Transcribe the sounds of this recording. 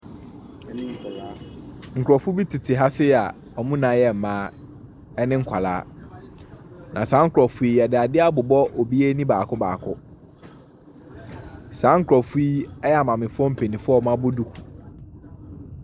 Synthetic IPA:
nɪ̃˦ŋ̩˦˨ka˨la˦ŋ̩˨kʰɾɔ˨fʊ˦bi˦tʰɪ˨tʰɪ˨ɦa˦sɪ˦˨a˨ | ɔ˨mũ˦nã˨˦jɛ˦˨m̩˨mãː˨˦ | ɛ˦nɪ̃˦ŋ̩˦kʷʰa˨la̰ː˦ | nã˨sã˨˦ŋ̩˦kʰɾɔ˨fu˦i˦ɛ˨dɪ˨a˨dɪ˦a˦bʊ˨bɔ˦ʔo˨bi˦e˦nĩ˦baː˨kʰʊ˦ba̰ː˨kʰʊ˦ | sãː˨˦ŋ̩˦kʰɾɔ˨fu˦i˦ɛ˦ja˨mã˨mɪ̃˨fʊ˦ɔ˦m̩˨pʰe˨nĩ˨fʊ˦˨mã˦bʊ˦du˦kʰu̥˨

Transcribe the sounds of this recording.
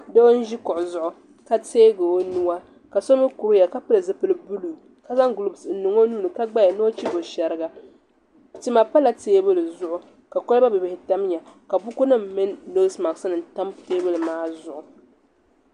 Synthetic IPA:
de˦o˦n̩˦ʒi˦kʊ˨ʔʊ˨zʊ˦˨ʔʊ˨ | ka˦teː˦ɡo˨o˦nu˦wa˦ | ka˨so˦mɨ˦ku˨ɾɨ˦ja˨ka˦pɨ˦lɨ˨zɨ˦pɨ˦lɨ˦bu˦lu˨ | ka˦za˦ŋ˦ɡlu˦bsn̩˦nu˨ŋo˦nuː˦nɨ˨ka˦ɡ͡ba˦ja˨nɨ˦o˦t͡ʃi˦bo˨ʃɛ˨ɾɨ˦ɡa˨ | ti˦ma˨pa˦la˨teː˦bɨ˦lɨ˨zʊ˦ʔʊ˨ | ka˨ko˦lba˦bɨ˨bɪ˨hɪ˨ta˦m˦ɲa˨ka˨bu˦ku˦nɨ˦m̩ː˨ɨ˦n˦do˦sma˨ksɨ˦nɨ˨n˨ta˦m˦teː˦bɨ˦lɨ˨maː˦zʊ˦ʔʊ˨

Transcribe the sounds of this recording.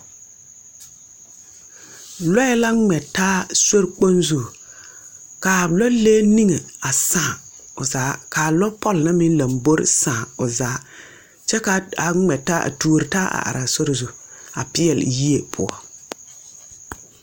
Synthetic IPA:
lɔ˦jɛ˦la˦ŋ͡mɛ˨taː˦so˦ɾk͡po˦nzu˨ | kaː˨lɔ˦leː˦ni˦ŋe˨a˨sãː˦˨ | ʊ˨zaː˨˦kaː˨lɔ˦pʰɔ˦lna˦mɪ˦n˦la˨mbo˦ɾɪ̰˦˨sãː˨ʊ˨zaː˦ | t͡ʃɛ˦ka˨a˨ŋ͡mɛ˨ta˦ʔa̰˨tu˦˨ɾɪ˨ta˦a̰˨ʔa̰˨ɾa˨so˦ɾzu˨a̰˨pɪ˦ɛ˨lji˦e˨pʰʊ̰˨a̰˨

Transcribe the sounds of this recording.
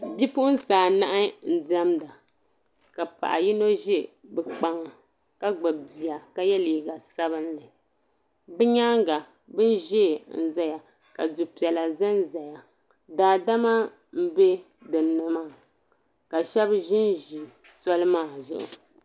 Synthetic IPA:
bi˦pʊ˦ʔʊ˦n˦saː˨na˦ʔa˦n̩˦di˦a˦mda˨ | ka˨pa̰˨ʔa˨ji˦no˦ʒi˦bɛ˨k͡pa˨ŋa˨ | ka˦ɡ͡ba˨bi˨ja˨ka˦jɛ˦liː˨ɡa˨sa˦βɨ˦nlɨ˨ | bɛ˦ɲaː˦ŋɡa˨ | bɨ˦n˦ʒeː˦˨n̩˨za˦ja˨ | ka˨du˨pi˨ɛ˨la˨za˦nza˨ja˨ | daː˨da˦ma˦ | m̩˦be˦ | dɨ˨nɨ˨maː˦˨ | ka˨ʃɛ˦bʒɪ˦nʒi˨ | sɔ˦lɨ˦maː˦˨zʊ˨ʔʊ̰˨

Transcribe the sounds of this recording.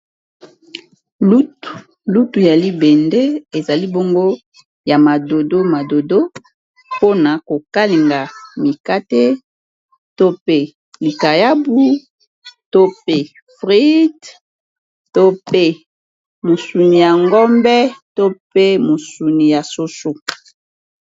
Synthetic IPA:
lu˦tu˨ | lu˦tu˨ja˨li˦bɛ˨nde˦e˨za˨li˦bo˦ŋɡo˦ | ja˨ma˨do˨do˦ma˨do˨do˦ | po˦na˨ko˨ka˦li˨ŋɡa˨mi˨ka˦te˦ | to˦pe˦ | li˨ka˨ja˦bu˦ | to˦pe˦ | fʁi˦d | to˦pe˦ | mo˨su˨ni˨ja˨ŋɡɔ˦mbɛ˦to˦pe˦mo˨su˨ni˨ja˨so˦su˦

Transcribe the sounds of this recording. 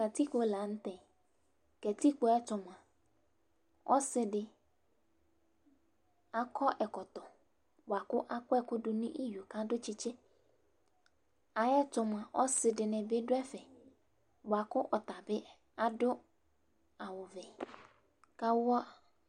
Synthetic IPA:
ka˨ti˦k͡po˨la˨˦n̩˦t̪ɛ̃˨ | kɛ˨ti˦k͡po˦ɛ˦tʊ˨m˨a˨ | ɔ̰˦sɪ˦dɪ˨ | a˦kʰɔ˦ʔɛ˨kɔ˨t̪ɔ˨ | bʊ˨a˨kʊ˦ʔa˦kʊ˦ɛ˦kʊ˦dʊ˦nʊ̃˦ʔi˦jo˨ka˦dʊ˦t͡ʃɪ˦t͡ʃɪ˦ | a˨jɛ˦tʊ˨m˨a˨ʔɔ˦sɪ˨dɪ˨nɪ̃˨bɪ˦dʊ˦ɛ˦fɛ˨ | bʊ˨a˨kʊ˦ʔɔ˨t̪a˨bɪ˦ | a˦dʊ˦ | a˨wʊ˨vɛ˨ | ka˦wʊ˦a˦

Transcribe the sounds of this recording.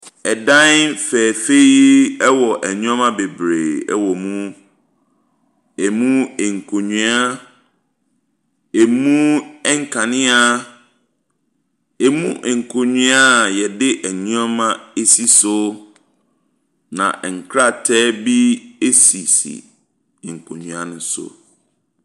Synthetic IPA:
ɛ˨dã˦n˦fɛː˨fe˦i˦ɛ˦wɔ˨ʔɛ˨ɲũ˦a˦mã˦be˨bɾe˨ɛ˦wɔ˨mũ˦ | ɛ˨mũ˦ɛ˨ŋ̩˨kʰo˨ɲĩ˦a˦ | e˨mũ˦ɛ˦ŋ̩˦kʰã˨nɪ̃˦a˦ | e˨mũ˦ʔɛ˨ŋ̩˨kʰo˨ɲũ˦a˦˨jɛ˨dɪ˦ʔæ˨ɲũ˦a˦mã˦e˦si˦sʊ˦ | nã̰˨ʔɛ˨ŋ̩˨kʰɾa˦˨tʰɛː˦bi˦e˦si˨sḭ˨ | ŋ̩˨kʰo˨ɲɥ̃a˦nʊ̃˦sʊ̰˦˨

